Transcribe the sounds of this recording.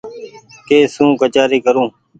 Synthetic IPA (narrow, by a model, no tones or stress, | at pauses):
keːsũːkət͡ʃaːɾiːkəɾũː